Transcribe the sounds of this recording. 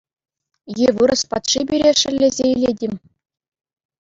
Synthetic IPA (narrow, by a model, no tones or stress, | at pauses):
jeʋɯɾɤ̆spɑt̪ʂibʲiɾʲeʂ̆ɘ̆lʲːezʲeilʲedʲemʲ